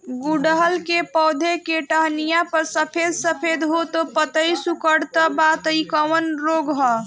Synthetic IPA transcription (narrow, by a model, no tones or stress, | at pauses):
ɡuɖəɦəlkepɔwd̪ʱekeʈəɦnijapəɾsəpʰed̪səpʰed̪ɦot̪ɔpət̪əjsukəɽt̪əbat̪əjkəʋənɾoɡɦɔ